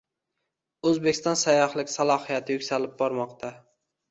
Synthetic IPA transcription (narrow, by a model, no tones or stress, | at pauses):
ɵzbekʲɪ̥st̪ɒnsajɒhlˠɪkʲsalˠɒhijat̪ʰɪjʊkʲsalɪp̚bɒɾmɒqt̪ʰa